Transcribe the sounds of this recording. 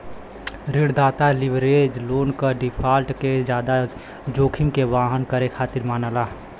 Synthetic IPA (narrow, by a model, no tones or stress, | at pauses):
ɾɪɽd̪aːt̪alɪʋɾeːd͡ʒloːnkəɖɪpʰaːlʈked͡ʒjaːd̪a | d͡ʒoːkʰɪmkeʋaːɦənkəɾekʰaːt̪ɪɾmaːnaːlaː